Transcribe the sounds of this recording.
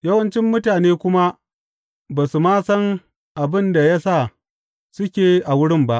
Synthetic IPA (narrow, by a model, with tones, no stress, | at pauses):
jɐ˦wɐ˦nt͡ʃɪ˦mːʊ˦taː˨neː˦kʷʊ˦ma˦ | baː˨su˨maː˦sɐ˦ŋ | ʔa˨bɪ˦nda˨ja˦sa˦˨ | sʊ˦kʲeː˨ʔa˨wʊ˦ɽɪ˦mba˦ʔ